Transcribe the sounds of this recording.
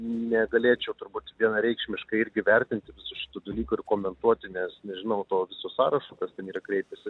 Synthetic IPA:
nʲɛɡɐlʲeːt͡ʃʲɛʊt̪ʊɾbuːt̪ʲʋʲiɛnɐɾʲɛɪkʃʲmʲɪʃkɐɪɾʲɡʲɪʋʲɛɾʲt̪ʲɪnʲt̪ʲɪʋʲɪsʊʃʲɪ̥t̪uːd̪ɐlʲiːkʊːɪrkoːmʲɛnt̪uɔt̪ʲɪnʲɛsnʲɛʒʲɪnɐʊt̪oːʋʲɪsoːsɑːɾɐʃoːkɐstʲɛniːɾɐkɾʲɛɪpʲɛsʲɪ

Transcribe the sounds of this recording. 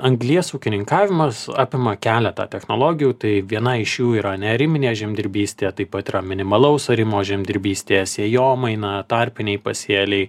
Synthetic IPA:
ɐŋɡlʲiɛsuːkʲɪnʲɪŋkɑːʋʲɪmɐsɑ̰ːpʲɪmɐkʲæːlʲɛt̪ɑ̰ːt̪ʲɛxnoːlˠoːɡʲɪjuːt̪ɐɪʋʲiɛnɐɪʃjuːiːɾɐnʲɛɐɾʲɪmʲɪnʲeːʒʲɛmʲd̪ʲɪɾʲbʲiːsʲt̪ʲeːjɛt̪ɐɪpɐt̪iːɾɐmʲɪnʲɪmɐlˠɐʊsɐɾʲɪmoːʒʲɛmʲd̪ʲɪɾʲbʲiːsʲt̪ʲeːɛsʲiɛjoːmɐɪnɐt̪ɐɾʲpʲɪnʲɛɪpɐsʲiɛlʲɛɪ

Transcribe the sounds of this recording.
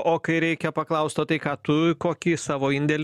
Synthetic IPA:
oːkɐɪɾʲɛɪkʲɛpɐklˠɐʊst̪oːt̪ɐɪkɑːt̪ʊkoːkʲiːsɑːʋoːɪnʲd̪ʲɛlʲ

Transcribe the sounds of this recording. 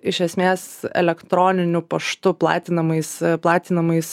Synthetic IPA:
ɪʃʲɛsʲmʲeːsɛ̰lʲɛkt̪ɾoːnʲɪnʲʊpɐʃt̪ʊplˠɑ̰ːt̪ʲɪnɐmɐɪsplˠɑːt̪ʲɪnɐmɐɪs

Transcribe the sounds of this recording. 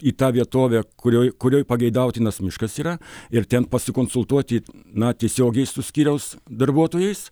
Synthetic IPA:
iːt̪ɑːʋʲiɛt̪oːʋʲæːkʊɾʲoːjkʊɾʲoːjpɐɡʲɐɪd̪ɐʊt̪ʲɪnɐsmʲɪʃkɐsiːɾɐɪɾt̪ʲɛnpɐsʲɪkoːnsʊlˠt̪uɔt̪ʲɪnɐt̪ʲiɛsʲoːɡʲɛɪsʊsʲkʲiːɾʲɛʊsd̪ɐrbuɔt̪oːjɛɪs

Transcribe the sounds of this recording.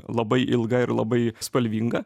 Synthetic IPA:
lˠɐbɐɪʔɪlˠɡɐɪɾlˠɐ̰bɐɪspɐlʲʋʲiːŋɡɐ

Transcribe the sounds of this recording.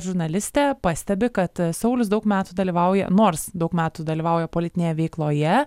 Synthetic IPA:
ʒʊɾnɐlʲɪsʲt̪ʲɛːpɑsʲt̪ʲɛbʲɪkɐt̪sɐʊlʲʊsd̪ɐʊkmʲæːt̪uːd̪ɐlʲiːʋɐʊjɛ̰noːrsd̪ɐʊkmʲæːt̪ud̪ɐlʲiːʋɐʊjɛpoːlʲɪt̪ʲɪnʲeːjɛʋʲɛɪklˠoːjɛ

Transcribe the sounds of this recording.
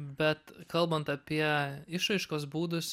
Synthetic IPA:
bʲɛt̪kɐlˠbɐnt̪ɐpʲiɛɪʃɾɐɪʃkoːsbuːd̪ʊsʲ

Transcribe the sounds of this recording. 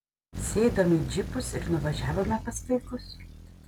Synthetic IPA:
sʲeːd̪oːmʲɪd͡ʒʲɪpʊsɪɾnʊʋɐʒʲæːʋoːmʲɛpɐst̪ɐɪkʊs

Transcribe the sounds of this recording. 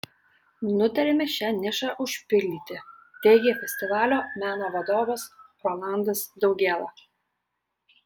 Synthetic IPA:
nʊt̪ɐɾʲɛmʲɛʃʲænʲɪʃɑːʔʊʃʲpʲɪlʲd̪ʲiːt̪ʲɪ | t̪ʲɛɪɡʲeːfʲɛsʲt̪ʲɪʋɑːlʲoːmʲæːnoːʋɐd̪oːʋɐsɾolˠɑˑnd̪ɐsd̪ɒʊɡʲeːlˠɑː

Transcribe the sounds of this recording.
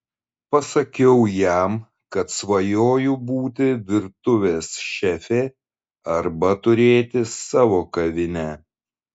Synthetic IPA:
pɐsɐkʲɛʊjæm | kɐt̪sʋɐjoːjubuːt̪ʲɪʋʲɪɾt̪ʊʋʲeːsʃʲɛfʲeː | ɐɾbɐt̪ʊɾʲeːt̪ʲɪsɑːʋoːkɐʋʲɪnʲɛ

